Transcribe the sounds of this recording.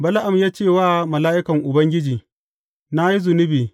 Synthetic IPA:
bɐ˦la˦ʔa˨mjaː˦t͡ʃeː˦˨waː˦mɐ˨laː˦ʔɪ˦kɐ˨ŋʔʊ˨bɐ˦ŋɡʲɪ˦d͡ʒiː˨ | na˦ji˦zʊ˨nɪ˦biː˨

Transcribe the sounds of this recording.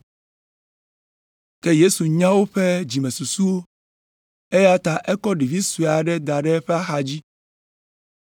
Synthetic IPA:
ke˦je˦su˨ɲã˦wo˦ɸe˦d͡ʑi˨mɛ̃˨su˨su˦wo˦ | e˦ja˦t̪a˨ʔɛ˦kɔ˦ɖi˨vi˦su˨a˨ɖɛ˦d̪a˨ɖɛ˦ɸɛ˦a˦xa˨d͡ʑi˦

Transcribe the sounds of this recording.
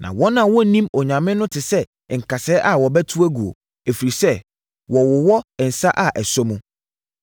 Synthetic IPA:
nʔã̰˨wɔ˦nã˨wɔ˦˨nĩ˦mɔ˨ɲã˨mɪ̃˦nʊ̃˦tʰɪ˨sɛ˦˨ | ŋ̩˨kʰa˨sɛ˨˦ʔa˨wɔ˨bɛ˦tʰu˦æ˦ɡu˨o̰˨ | e˨fi˨ɾi˨sɛ˦ | wɔ˨wʊ˨wɔ˦ɛ˨n̩˨sa˦ʔa˨ʔɛ˨sɔ˦mũ˦

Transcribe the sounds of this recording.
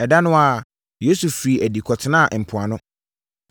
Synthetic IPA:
ɛ˨da˦nʊ̃˦a˨ | je˦su˨fɾi˨æ˨di˨kʰɔ˨tʰɪ˦nã˦˨m̩˨pʰʊ˨a˨nʊ̃˦

